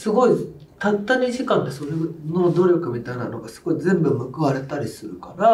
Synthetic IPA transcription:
sɨɡo̞i | t̪at̪ːaɲʲiɕikãnd̪eso̞ɾeno̞d̪o̞ɾʲo̞kɯ̟mʲit̪aina̰no̞ɡasɨ̥ɡo̞izẽ̞mbɯ̟mɯ̟kɯ̟βaɾe̞t̪aɾʲisɨɾɯ̟kaɾa

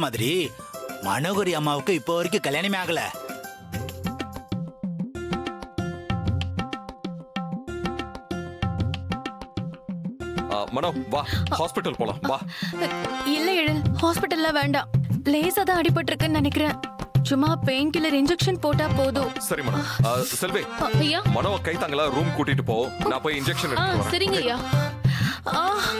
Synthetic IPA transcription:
maːðɪɾi | mɐ̰noɣɐɾiɐmːaːʋɯkːɯ̃ɪpːoːʋɐɾɪk̬ːɯkɐljaːnɐmejaːɣɐlɛ̰ | mɐnɐmʋaːhaːspɪʈːɐlpoːlã̰ːʋaː | ɪlːɐɛɻɯlhaːspɪʈːɐlːãːʋeːɳɖãːleːsaːt̪ãːɐɽɪp̬ːɐʈːɪɾɯkːɯnɐnɛkːɪɾẽːt͡ʃʊmːaːpejnkʊlɐɾɪɲd͡ʒɛkʂɐnpoːʈːaːpoːðɯsɐɾimɐɳɐ̰msɐlʋeːɐjːaːmɐnɐːkɐɪt̪ːaːŋɡɐlaːɾuːmkuːʈːɪʈːɯpːoːnãːpoːjɪnd͡ʒɛkʂɐnɛaːɯʋɐɾḛ̃sɐɾɪŋɡɐɐjaː | a

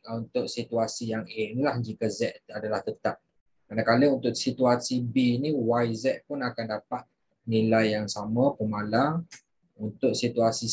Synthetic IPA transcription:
unt̪ʊk̚sit̪uasijaŋenilahd͡ʒikəzɛʔ̪adalaht̪ət̪ap̚ | kɾanakaləunt̪ʊʔsit̪uasibiniwajzɛʔ̪̚pʊnakandapat̪̚ | nilajːaŋsaməpəmala | unt̪ʊʔ̚sit̪uasi

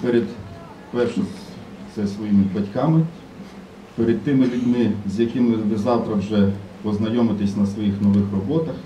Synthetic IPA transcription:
peɾʲɪd̪ | pɛrʃɪ | t̪sɛsʋɔjimɪbɐtʲkɑmɪ | peɾʲɪd̪̚t̪ɪmɪlʲʊdʲmɪzʲjɐkɪmɪʋɪzɑwt̪ɾɐwʒɛpɔznɐjɔmɪt̪ɪsʲnɐsʋɔjixnɔʋɪxrɔbɔt̪ɐx

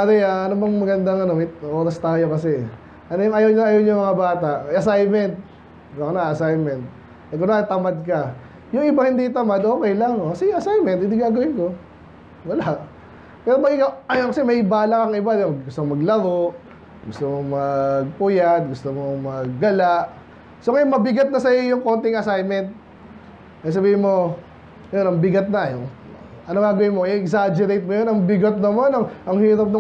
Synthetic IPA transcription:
d̪ɛjaʔɐnobɐŋmɐɡɐnd̪aŋɐnomɐjʔo̞ːɾɐst̪aːjo̞kɐsɛ | ʔɐnojʊŋʔɐjawɲaʔɐjawɲʊŋmɐŋabaːt̪aʔɐsajmɛnt̪̚ | bɐknaʔɐsajmɛnt̪̚ | ɐk̬ʊnat̪ɐmad̪̚kɐ | jʊŋʔɪbahɪnd̪it̪ɐmad̪ʔo̞ːkɛjlaŋokɐsɛjɐsajmɛnt̪̚hɪnd̪iɡaːɡɐwɪnko̞ | wɐlaʔ | pɛːɾomɐɡɪkawɐjokɐsɛmɐhɪbaːlɐkɐŋʔɪbad̪ɐɡɡʊst̪omɐɡlɐɾoʔ | ɡʊst̪omoŋmɐɡ̚pʊjat̪̚ɡʊst̪omoŋmɐɡ̚ːɐlaʔ | sokɐjmɐbɪɡɐt̪̚nɐsɐjojʊŋko̞nt̪ɪŋɐsajmɛnt̪̚ | kɐjas̬ɐbiːhɪnmo̞ | jonɐŋbɪɡɐt̪̚nɐjoŋ | ʔɐnoŋɡaːɡɐwɪnmoʔɪʔɛksad͡ʒɛɾejt̪̚mojonɐŋbɪɡɐt̪̚nɐmonɐŋʔɐŋhiːɾɐp̚no

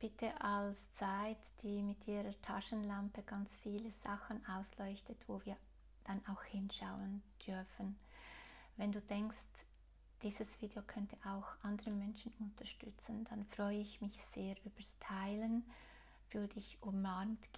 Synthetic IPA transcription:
b̥ɪtʰəʔalst͡saɪtd̥iːmɪtʔiːʁətʰaʃənlampəɡ̥ant͡sfiːləz̥axənʔaʊslɔʏçtətvoːviːɐ | d̥anʔaʊxhɪnʃaʊənd̥ʏɐfən | vɛnduːdɛŋkst | d̥iːzəsv̥iːdeokʰœntʰəʔaʊxʔandəʁəmɛnʃənʊntʰɐʃtʏt͡sənd̥anfʁ̥ɔʏəɪçmɪçz̥eːɐʔyːb̥ɐstʰaɪlən | v̥ʏɐdəɪçʔʊmamt

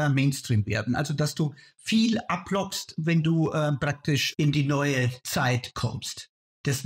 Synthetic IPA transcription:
meɪnstʁ̥iːmvḛːɐdn̩ʔa̰lzodasd̥uː | fiːlʔapʰlɔkstvɛnduːʔɛpʁ̥ak̚tɪʃɪndiːnɔʏət͡saɪtkʰɔ̰mst | d̥ɛs

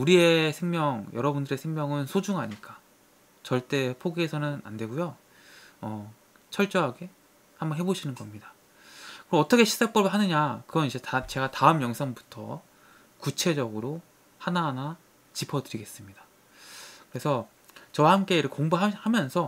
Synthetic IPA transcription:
uɾie̞sʰe̞ŋmjʌŋjʌɾʌbundɯɾe̞sʰeŋmjʌŋɯnsʰod͡ʑuŋaɲik͈ḁ | t͡ɕʌɭt͈e̞pʰoɡiːsʰʌnɯna̰ndwe̞ɡujo | ʌ | t͡ɕʰʌɭt͡ɕ͈ʌɦaɡe̞ | hambʌnɦeboɕʰinɯnɡʌmɲida | kɯɾʌʌt͈ʌkʰe̞ɕʰi̥sʰak̚p͈ʌbɯɭɦanɯɲakɯɡʌnid͡ʑetat͡ɕe̞ɡataɯmjʌŋsʰaŋbu̥tʰʌ̰ | kut͡ɕʰe̞d͡ʑʌɡɯɾo | hanana | t͡ɕipʰʌdɯɾiɡe̞s͈ɯmɲida | kɯɾe̞sʰʌ | t͡ɕʌwahamk͈e̞ɾɯɭkoŋbaɦahamjʌnsʰʌ

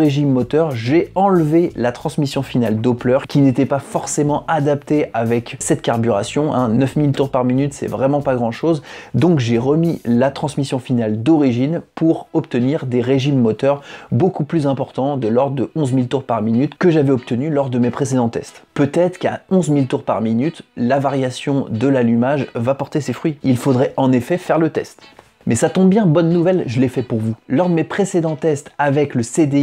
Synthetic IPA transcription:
ʁeʒimːɔt̪œʁʒeɑ̃lvelat̪χɑ̃smisjɔ̃finald̪oplœʁkʲinet̪ɛpafɔʁsemɑ̃ʔad̪apt̪eʔavɛksɛt̪̚kaʁbyʁasjɔ̃ʔɛ̰̃nœfmilt̪uʁpaʁminyt̪sɛ̰vʁɛmɑ̃paɡʁɑ̃ʃozd̪ɔ̃kʒeʁəmilat̪χɑ̃smisjɔ̃finald̪ɔʁiʒinpʰuʁɔpt̪əniʁd̪eʁeʒimːɔt̪œʁbokuplyzɛ̃pɔʁt̪ɑ̃d̪əlɔʁd̪əʔɔ̃zmilt̪uʁpaʁminyt̪kəʒavɛɔp̚t̪ənylɔʁd̪əmepχesed̪ɑ̃t̪ɛ̰st̪pøt̪ɛt̪χka̰ɔ̃zmilt̪uʁpa̰ʁminyt̪lavaʁjasjɔ̃d̪əlalymaʒvapɔʁt̪esefχɥiilfod̪ʁɛʔɑ̃nefɛfɛʁlət̪ɛst̪ | mɛsat̪ɔ̃bbjɛ̃bɔnːuvɛlʒəlɛfɛpuʁvulɔʁd̪əmepχesed̪ɑ̃t̪ɛst̪avɛkləsed̪e

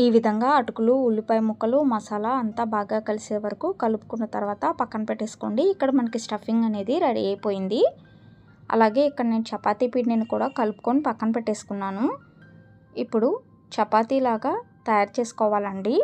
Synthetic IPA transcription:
iːʋid̪ʱɐŋɡaːɐʈukuluːlːipɐjɐmukːɐlumɐsɐlɐɐnt̪aːbʱaːɡaːkɐliseːʋɐɾɐkukɐlupu̥kunːɐt̪ɐɾuʋaːt̪ɐpɐkːɐnɐpeʈːeːsu̥ko̞ːɳɖiːkːɐɽɐmɐnɐkisʈɐfʰiŋɡɐne̞ːd̪iɾɐɽḭeːpo̞ːjind̪i | ɐ̰laːɡe̞ːikːɐɽɐne̞ːnut͡ʃɛpːaːt̪iːpiʈneːnikuːɽaːkɐlupu̥ko̞ːnipɐkːɐnɐpeʈːe̞ːsu̥kunːaːnu | ipːuɽu | t͡ʃɛpːaːt̪ilaːɡaː | t̪ɐjaːɾt͡ʃe̞ːsu̥kɔːʋaːlɐɳɖi

